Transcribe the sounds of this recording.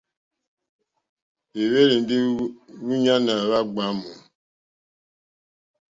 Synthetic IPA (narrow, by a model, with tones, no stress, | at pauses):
e˨we˦ɾi˨n̩˦di˦wu˦ɲa˦na˨ɾa˦ɡ͡ba˦mu˨